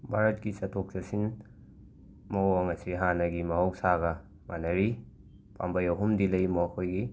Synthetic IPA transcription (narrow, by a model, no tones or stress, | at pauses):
bʱaɾɐt̚kisɐtʰok̚sɐsin | mɐwɐŋɐsiɦanɐɡimɐɦowsaɡɐ | ma̰nɐɾi | pa̰mbɐjɐɦumdilɐjmowkʰojɡi